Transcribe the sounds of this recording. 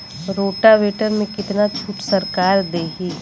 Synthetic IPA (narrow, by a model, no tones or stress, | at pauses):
ɾoːʈaʋeːʈəɾmẽkɪt̪nat͡ʃʰuːʈsɐɾkaːɾd̪eːɦiː